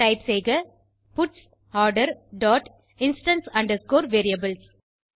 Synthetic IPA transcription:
ʈɐɪpseːɡɐ | pʊʈs | ɔːɾɖɐɾɖɔːʈ | ɪ̃nsʈɐnsɐ̃ɳɖɐɾskoːɾʋeːɾiɐbɪls

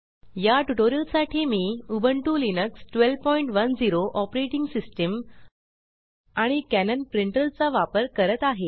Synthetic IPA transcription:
jaʈuʈoɾiəlsaʈʰiːmiːubʱəɳʈuːlinəksʈʋelʋpɔiɳʈʋənd͡ziɾoʔɔpɾeʈiŋɡsisʈəm | aɽ̃ikænənpɾiɳʈəlt͡saʋapəɾkəɾət̪aɦe

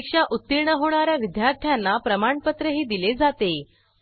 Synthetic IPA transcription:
kʂaʔut̪ːiɾɳəɦoɽ̃aɾjaʋid̪jaɾt̪ʰjanːapɾəmaɳpət̪ɾəɦiːd̪iled͡zat̪e

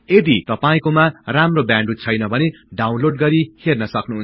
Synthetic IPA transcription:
ed̪it̪ʌpaĩkomaramrobjãɳɖut͡sʰʌjnʌbʱʌne | ɖaw̃nloɖɡʌɾihʰernʌsʌknuɦunt͡s

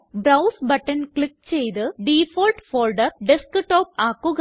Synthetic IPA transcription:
bɾɐwsbɐʈːɐnkɭik̚ːt͡ɕejt̪ɨɖiːfoːlʈfoːlɖɐɾɖiskɨʈːoːp̚aːkːuɣ

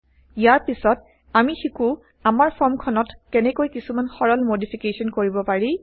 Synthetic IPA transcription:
ijaɹpisɔt | amixiku | amaɹpʰɔɹmkʰɔnɔtkɛnɛkojkisumanxɔɹɔlmodipʰikesɔnkoɹibɔpaɹi

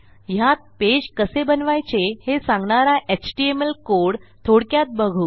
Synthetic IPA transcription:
jat̪̚ped͡ʑkəsebənʋajt͡ɕehesãŋɡɳaɾaʔet͡ɕʈiemelkoɽt̪ʰoɽkjat̪̚bəɡʱuː

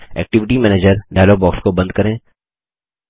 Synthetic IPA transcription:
ɛ̰ːk̚ʈɪʋɪʈimɛːneːd͡ʒəɾɖaːlobɔːkskobɐ̃nd̪̚kɐɾẽː

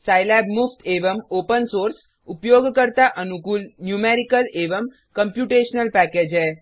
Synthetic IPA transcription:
sajlɛbmuft̪ʰeʋəmopənsoɾs | upjoɡkəɾt̪aʔənukuːlnjumeɾikəleʋəm | kəmpjuʈeʃnəlpæked͡ʒɛ

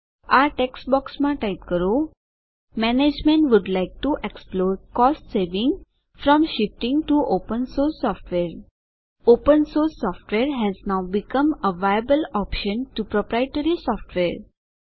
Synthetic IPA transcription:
aʈeksʈbɔksmãʈaɪp̚kəɾo | mɛned͡ʒmẽɳʈʋʊɖlaɪk̚ʈuʔeksploːɾkɔːsʈseɾʋɪ̃ŋɡ | fɾɔ̃mʃɪfʈɪ̃ŋɡʈuʔopə̃nsoːɾsːɔfʈʋeːɾ | opə̃nsoːɾsːɔfʈʋeːɾɦɛznaʊbɪkə̃məʋajəbəlɔpʃə̃nʈupɾɔpɾaɪʈəɾisɔːfʈʋeɾ

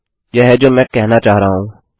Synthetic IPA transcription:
jeɦɛd͡ʒoːmɛ̃ːkɛɦnat͡ʃaːɦɾaːɦũː

